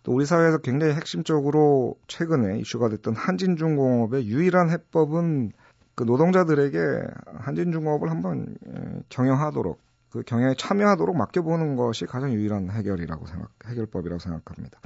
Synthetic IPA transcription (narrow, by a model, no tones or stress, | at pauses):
t͈ouɾisʰaweːsʰʌkwe̞ŋd͡ʑaŋiɦe̞k̚ɕ͈imt͡ɕ͈ʌɡɯɾot͡ɕʰwe̞ɡɯne̞ḭɕ͈uɡadwe̞t͈ʌnhand͡ʑind͡ʑuŋɡoŋʌbe̞juiɾanɦe̞p͈ʌbɯn | kɯnodoŋd͡ʑadɯɾe̞ɡe̞̰hand͡ʑind͡ʑuŋʌbɯɭhambʌn̰kjʌŋjʌŋɦadoɾo̰k̚ | k͈ɯkjʌŋjʌŋet͡ɕʰamjʌɦadoɾok̚mak͈jʌbonɯnɡʌɕʰikad͡ʑaŋjuiɾanɦe̞ɡjʌɾiɾa̰ɡo̰sʰeŋɡa̰he̞ɡjʌɭp͈ʌbiɾa̰ɡosʰe̞ŋɡakʰamɲid̥ḁ